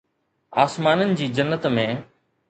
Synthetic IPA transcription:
aːsmaːnənɪ̆d͡ʑiːd͡ʑənːət̪mẽː

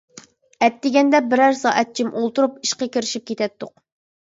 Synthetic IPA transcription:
ɛt̪ːɪɡʲɛnd̪ɛbɪɾæɾsɑːʔɛt̪̚t͡ʃʰimʔolˠt̪uɾupiʃqəkʲiɾɪʃip̚kʲʰet̪ɛt̪ːʊq

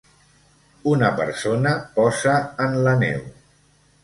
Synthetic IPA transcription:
unəpə̰ɾsonəpɔzəːnlənɛ̰w

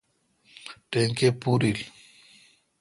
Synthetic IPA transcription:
ʈeŋkepuɾil

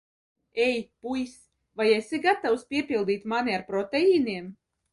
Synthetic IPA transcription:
ɛjt̪̚ʲpujsʲ | vajɛsʲiɡat̪awspʲiɛpʲilˠd̪iːt̪ʲmanʲiaɾpɾɔt̪ɛiːniɛm

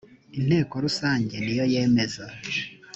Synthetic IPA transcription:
in̥he̞ːkoɾusaːɲɟenijo̞je̞me̞za

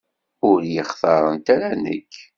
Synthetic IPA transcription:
ʊɾjəχθɑɾˤənt̪æɾænə̰kː

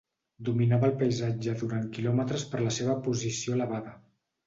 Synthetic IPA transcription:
d̪uminaβəːlˠpəjzad͡ʒəðuɾaŋkilɔmət̪ɾəspəɾləseβ̞əpuzisioələβ̞aðə

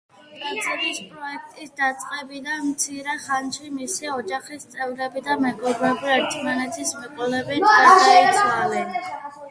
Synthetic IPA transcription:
kʼat̪sʰɛb̪ispʼɾɔɛk̚ʰt̪ʼisd̪at̪sʼqʼɛbid̪anmt̪sʰiɾɛχant̪sʰwimisiɔd͡ʒaχist̪sʼɛvɾɛbid̪amɛɡɔbɾɛbiaɾt̪ʰʼmanɛt̪t̪ʰismɛkʼɔlɛbɛnʰaʃɛizalɛn

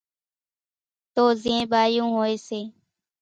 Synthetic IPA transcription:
t̪oːzɪẽːɓaːjũːɦoːeːseː

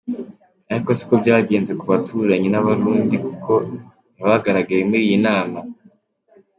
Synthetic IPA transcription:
aɾikosi̥ko̞bɟaːɟe̞ːnze̞kuβatʰuɾaɲenaβaɾuːndikukʰo̞ | niβaɡaɾaɡajemuɾiːjinaːma

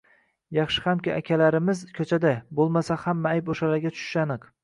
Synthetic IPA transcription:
jɑχʃɪ̥hamkʲɪʔakʲʰalaɾɪmɪzkʲʰɵt͡ʃʰad̪abolˠmasahamːaajpoʃalaɾɡʲat̪ʰʊ̥ʃɪ̥ʃanɨq

